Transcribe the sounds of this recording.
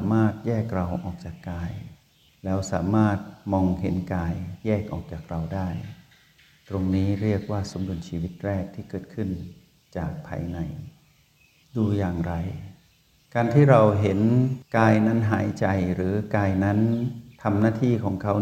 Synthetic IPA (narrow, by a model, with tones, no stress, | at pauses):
maː˥˩t̪̚jɛː˥˩k̚ɾa˧wʔɔ̰ː˨˩k̚t͡ɕaː˨˩kːaː˧j | lɛː˦˥wsaː˩˦maː˥˩t̪̚mɔː˧ŋɦe˩˦nkaː˧jjɛː˥˩k̚ʔɔ̰ː˨˩k̚t͡ɕaː˨˩k̚ɾa˧wdaː˥˩j | t̪ɾo˧ŋniː˦˥ɾi˥˩ək̚waː˥˩so˩˦mdu˧ənt͡ɕʰiː˧wi˦˥t̪̚ɾɛː˥˩k̚t̪ʰiː˥˩kɤː˨˩t̪̚kʰɯ˥˩n | t͡ɕaː˨˩k̚pʰa̰ː˧jna˧˩j | duː˧jaː˨˩ŋɾa˧j | kaː˧nt̪ʰiː˥˩ɾa˧wɦe˨˩˦nkaː˧jna˦˥nɦaː˩˦jt͡ɕa˧jɾɯː˩˦kaː˧jna˦˥nt̪ʰa˧mnaː˥˩t̪ʰiː˥˩kʰɔː˩˦ŋkʰa˦˥w